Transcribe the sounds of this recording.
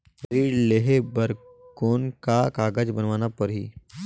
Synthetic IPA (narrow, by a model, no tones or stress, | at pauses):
ɾiːɖleɦebəɾ | koːnkakaːɡəd͡ʒbənʋaːnapəɾɦḭː